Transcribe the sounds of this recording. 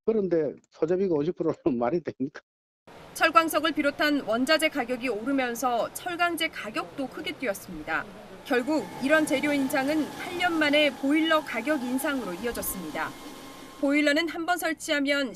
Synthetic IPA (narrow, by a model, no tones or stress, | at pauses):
kɯɾʌnde̞t͡ɕʌd͡ʑabiɡaʌd͡ʑip͈ʰɯɾʌnʌnmaɾidwemɲik͈ḁ | t͡ɕʰʌɭɡwaŋsʰʌɡɯɭpiɾotʰanwʌnd͡ʑad͡ʑe̞kaɡjʌɡioɾɯmjʌnsʰʌt͡ɕʰʌɭɡaŋd͡ʑe̞kaɡjʌk̚t͈okʰɯɡe̞t͈weʌs͈ɯmɲida | kjʌɭɡuɡ̚iɾʌnt͡ɕe̞ɾjoinsʰaŋɯnpʰaʎːʌnmane̞poiɭːʌkaɡjʌɡinsʰaŋɯɾoiʌd͡ʑʌs͈ɯmɲida̰ | poiɭːʌnɯnɦanbʌnsʰʌɭt͡ɕʰiɦamjʌn